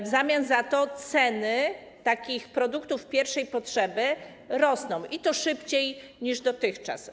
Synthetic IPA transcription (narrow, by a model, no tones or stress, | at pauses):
vzamʲjanzat̪ɔt̪sɛnɘ | t̪akʲixpɾɔd̪ukt̪ufpʲjɛɾfʂɛjpɔtʂɛbɘ | ɾɔsnɔ̃w̃ʔit̪ɔʂɘpt͡ɕej | ɲiʐd̪ɔt̪ɘxt͡ʂa̰s